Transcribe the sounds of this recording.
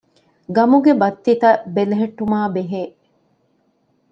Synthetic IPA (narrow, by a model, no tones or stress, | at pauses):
ɡɐmuɡebɐt̪ːit̪ɐbeleɦeʈːumaːbeɦeː